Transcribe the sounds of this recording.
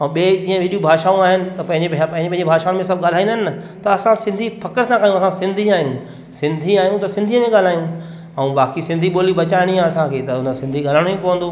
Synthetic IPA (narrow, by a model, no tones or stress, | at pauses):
ɛ̃ɓed͡ʑĩːə̃ʋɪɗijũbʱaːʃaːũaːɦɪnɪ̆t̪ɐpɐ̃ɪ̃ɲd͡ʑepɐ̃ɦɪ̃ɲd͡ʑepɐ̃ɦɲd͡ʑebʱaːʃaːʊ̃nmẽsɐb̚ʱɠaːl̤aːĩnd̪əɦɪnɪɐ | t̪ɐɐsãsɪ̃nd̪ʱifɐkəɾsãkaːjũɐsãsɪ̃nd̪ʱiaːɦjũ | sɪ̃nd̪ʱiaːɦijũt̪ɐsɪ̃nd̪ʱijəmẽɠaːl̤aːjũ | ɛ̃ũɓaːkisɪ̃nd̪ʱiɓoːlibɐt͡ɕaːɪɽ̃iãɐsãkʰeːt̪ɐʊnəsɪ̃nd̪ʱiɠaːləɽ̃ipoʋə̃nd̪oː